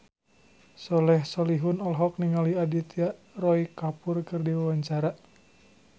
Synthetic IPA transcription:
sɔlɛhsɔliɦunɔlɦɔk̚niŋaliadit̪iaʔrɔikapʊrkɨrdiwawaɲt͡ʃaɾa

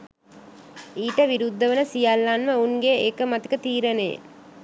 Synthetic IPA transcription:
iːʈəʋiɾud̪ʱːəʋənəsijalːanʋəunɡeekəmat̪i̥kət̪iːɾənḛj̰

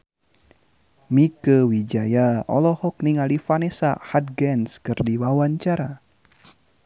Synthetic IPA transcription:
mikəwid͡ʒajaɔlɔhɔk̚niŋalifanɛsa̰hat̪̚ɡɛnskɨrdiwawaɲt͡ʃaɾa

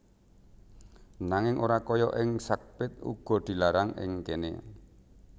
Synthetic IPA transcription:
naŋɪŋʔoɾakɔjɔʔɪŋsak̚pɪt̪̚ṵɡ̥ɔ̤d̪̥i̤laɾaŋɪ̰ŋkenḛ

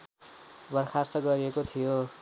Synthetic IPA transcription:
bʌrkʰast̪ʌɡʌɾiekot̪ʰijo

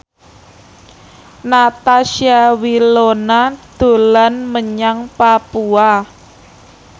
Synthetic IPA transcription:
nat̪asiawilonad̪̥o̤lanməɲaŋpapua

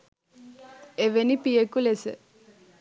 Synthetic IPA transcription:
eʋenipijəkulesə̰

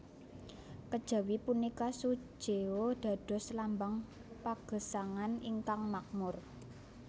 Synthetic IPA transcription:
kəd̥ʒ̥a̤wipunikasu̥ʒ̥eod̪̥ä̤d̥ɔ̤slambaŋ | paɡ̥ə̤saŋaniŋkaŋmak̚mʊr

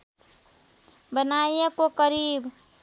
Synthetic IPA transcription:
bənajjekokəɾib

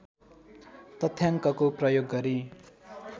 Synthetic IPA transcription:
t̪ʌt̪ʰːjaŋkʌkoprʌjoɡːʌɾi

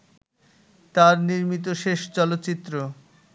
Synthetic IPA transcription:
t̪aɾniɾmit̪̬oʃeʃt͡ɕɔlot̪ːɕit̪ːɾo

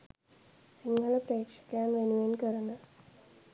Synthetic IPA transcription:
siŋɡəlɐpɾəekʂɐ̥kɐjamʋenuʋenkəɾənə

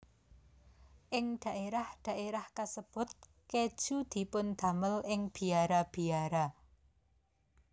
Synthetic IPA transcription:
ʔɪŋɖ̪̥a̤ʔeɾahd̪̥a̤ʔeɾahkasəb̥ʊ̤t̪̚ | ked̥ʒ̥ud̪̥i̤pʊnd̪̥ä̤məlɪŋb̥i̤aɾab̥i̤aɾa

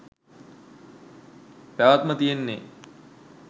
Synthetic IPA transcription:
pæʋat̪mət̪ijenːe

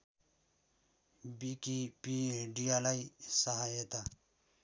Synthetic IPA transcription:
bikipieɖialajsaɦajet̪a

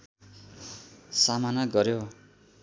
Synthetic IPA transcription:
samanaɡʌɾjo

